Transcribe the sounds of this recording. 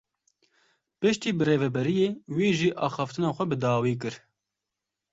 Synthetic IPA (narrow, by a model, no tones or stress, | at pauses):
pɨʃt̪iːbɨreːvɛbɛɾijeːwiːʒiːʔɑːxɑːft̪ɨnɑːxʷɛbɨd̪ɑːwiːk̬ɨɾ